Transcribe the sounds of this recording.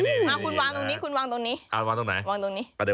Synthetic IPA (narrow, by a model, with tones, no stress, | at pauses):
na˧˩kʰu˧nwaː˧ŋt̪o˧ŋniː˦˥kʰu˧nwaː˧t̪o˧ŋniː˦˥a˧˨waː˧ŋt̪ʊ˧ŋna˨˦waː˧ŋt̪o˧ŋniː˦˥a˧˩de˧˦˩